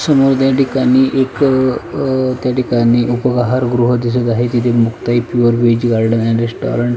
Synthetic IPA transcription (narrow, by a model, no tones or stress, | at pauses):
səmoɾd̪jaʈikaniːʔek | t̪jaʈikaniːʔupəɡaɦaɾɡɾuɦəd̪is̬ət̪aɦet̪it̪ʰemukt̪aɦipjuʋəɾʋed͡ʑɡaɽɖənɛɳɾesʈɔ̰ɾəɳʈ